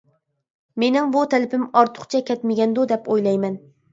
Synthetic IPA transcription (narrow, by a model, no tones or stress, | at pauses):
me̞nɪŋbʊt̪ʰælɪpɪmɒɾt̪ʰʊ̥qt͡ʃʰakʲɛt̪mɪɡʲɛnd̪ʊd̪ɛpojlˠɑjmæn